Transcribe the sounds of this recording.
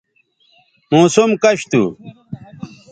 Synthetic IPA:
mõːsumkɐɕt̪ṵ

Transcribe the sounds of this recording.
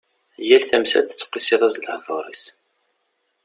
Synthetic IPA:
jælθæmsæ̰lθə̥t͡sːqːisiðˤæzlhθˤo̰ɾˤḭs

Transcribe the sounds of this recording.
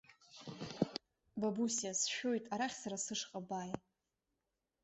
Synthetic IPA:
babusasʃᶣo̞jtʼaɾaχʲsaɾasɨʂqʼabaːj

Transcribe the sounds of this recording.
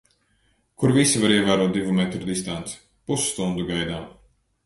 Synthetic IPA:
kuɾvisivaɾiɛvaːɾuɔːt̪̚d̪ivumɛt̪ɾud̪ist̪ant̪su̥ | pusst̪und̪uɡajd̪aːm

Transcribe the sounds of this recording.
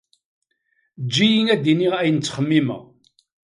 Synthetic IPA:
d͡ʒːijiŋæd̪iniʁæjənt͡sːχəmːimə̰ʁ

